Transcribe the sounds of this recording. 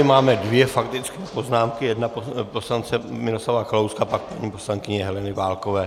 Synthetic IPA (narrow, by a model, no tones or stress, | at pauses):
ɪmaːmɛdvjɛfakt̪ɪt͡skɛːpo̞znaːmkɪjɛdnapopo̞slant͡sɛmɪloslavaxlowskapak̚prvɲiːpo̞slaŋkɪɲɛɛɦɛlɛnɪvaːlko̞vɛː